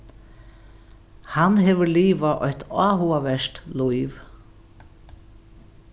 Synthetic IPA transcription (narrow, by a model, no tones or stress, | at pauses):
hanɦɛːʋəɾliːʋaʔɔht̪ʰaːɦuaʋɛʂt̪lujv